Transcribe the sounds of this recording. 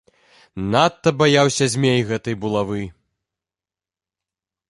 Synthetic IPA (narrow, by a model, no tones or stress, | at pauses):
nat̪ːɐbajawsʲɐzʲmʲejɣɛt̪ɐjbulˠavɨ